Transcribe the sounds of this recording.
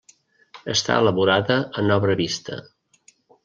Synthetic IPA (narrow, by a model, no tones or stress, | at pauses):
əst̪a̰ələβuɾaðəənɔβɾəβist̪ə̰